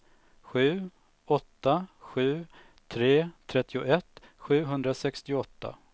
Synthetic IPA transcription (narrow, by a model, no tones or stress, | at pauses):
ɧʉ̟ː | ɔt̪ːaɧʉ̟ː | t̪ʰɾeːt̪ʰɾɛt̪ʰːɪʊʔɛt̪ːɧʉ̟ːɦɵnd̪ɾasɛkst̪ɪɔt̪ːa̰